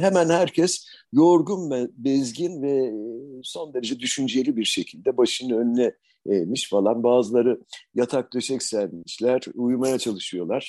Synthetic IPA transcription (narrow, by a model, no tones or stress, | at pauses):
ɦemænhæɾcʰɛs | jo̞ɾɡunbɛzɟinvɛ | so̞nd̪e̞ɾed͡ʒɛd̪yʃynd͡ʒe̞lʲibiɾʃe̞cʰilʲd̪ɛbaʃɯnɯønlʲɛ | emiʃfalˠanbaːzɯlˠaɾɯjat̪ʰak̚d̪eʃɛcsæɾmiʃlʲæɾujmajat͡ʃʰalˠɯʃɯjo̞lˠaɾ̥